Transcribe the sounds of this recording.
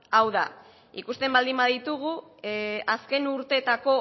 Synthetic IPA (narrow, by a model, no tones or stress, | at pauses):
awða | ikust̪e̞mbald̪imbaðit̪uɣ̞u | aske̞nuɾt̪e̞t̪ako̞